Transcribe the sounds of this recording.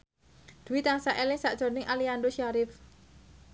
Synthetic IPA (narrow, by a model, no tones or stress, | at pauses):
d̪̥ṳwit̪aŋsaʔelɪŋsaʔʒ̥ɔ̤nɪŋʔaliandoʃaɾɪf